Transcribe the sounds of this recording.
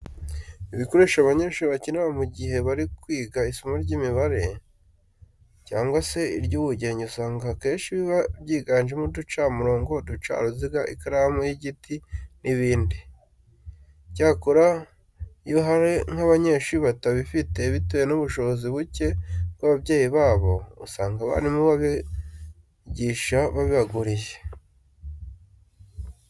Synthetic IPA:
iβiko̞ɾe̞ːʃaβaɲe̞ːʃuɾiβacineβamuɟiɦe̞βaɾikwiːɡaisomaɾɟimiβaɾe̞ | caːŋɡwase̞iɾɟuβuɟe̞ːɲɟeusaːŋɡake̞ːnʃiβiβabjiːɡaːnʒemudut͡ʃamuɾo̞ːŋɡo̞dut͡ʃa̰ɾuziɡaʔikaɾamujiɟitʰinʔiβiːndi | ɟaːkuɾa | juɦaɾeŋ̥haβaɲe̞ːʃuiβataβifite̞βitejenuβuʃo̞βoziβuce̞kwaβaβɟe̞ːjiβaːβo̞usaːŋɡaβa̰ːndimuβaβi | ɟiːʃaβaβiβaɡuɾiʒe

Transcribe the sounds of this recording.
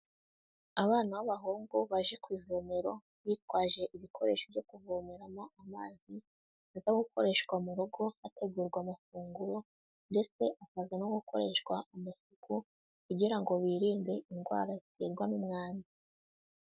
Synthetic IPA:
aβaːnawaβaɦoːŋɡuβaʒe̞kwiːvoːmeɾo̞ | βitwaːʒe̞ʔiβikʰo̞ɾe̞̰ːʃovjo̞kuvomeɾamoʔamaːzi | azaɡukʰoɾe̞ʃwamuɾuɡo̞ate̞ɡuːɾɡwamafuːŋɡuɾo̞ | nde̞t͡se̞ʔakazanoɡukʰo̞̰ɾe̞ʃkwaumasukʰu | kuɟiɾaŋɡo̞βiːɾiːmbe̞ʔinɡwa̰ːɾaziteɾɡwanumŋaːni

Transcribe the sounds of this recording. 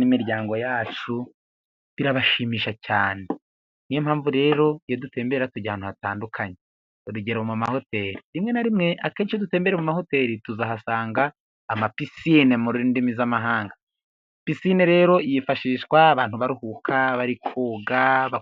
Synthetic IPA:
imiɾjaːŋɡo̞jaːt͡ʃu | βiɾaβaʃiːmiːʃacaːne̞ | nijemhaːɱvuɾe̞ːɾo̞jodute̞ːmbe̞ɾeɾatuɟahaːn̥uhataːndukʰaɲe | oɾuɟeɾaomumaho̞te̞ːɾiɾimŋe̞naɾimŋe̞ʔakeːnt͡ʃijoduteːmbeɾemumaho̞te̞ːɾituzaɦasaːŋɡaː | mapisiːnemuɾuindimizamaɦaːŋɡa | pisiːneɾe̞ːɾo̞ijifaʃiːʃwaːβaːn̥huβaɾuhuːkʰaβaɾikʰoːɡaβa

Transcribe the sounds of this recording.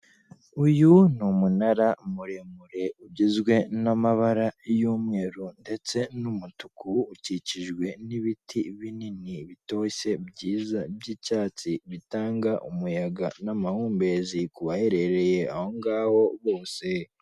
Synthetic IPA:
ujunumunaɾamuɾemuɾe̞uɟizɡwe̞namaβaɾajuːmŋe̞ːɾunde̞t͡se̞numutukuːciciʒɡwe̞niβitʰiβininiβito̞ːɕe̞bɟiːzabɟiːcaːt͡siβitaːŋɡaʔumujaɡanamahuːmbe̞zikuβaheɾe̞ɾe̞je̞aho̞ŋɡaːho̞βo̞ːse̞

